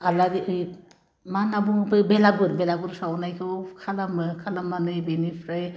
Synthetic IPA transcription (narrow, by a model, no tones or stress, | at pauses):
aladiɯj | manabuŋɯpʰɯbelabɯɾbelaɡɯɾsawnajkʰɯkʰalamɯkʰalamːanɯjbenipʰɾaj